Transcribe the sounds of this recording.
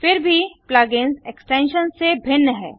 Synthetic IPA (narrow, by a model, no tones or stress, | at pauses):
fɪɾbʱiplaːɡɪnzeksʈẽːnʃənsebʱɪnːəɦɛ̰ː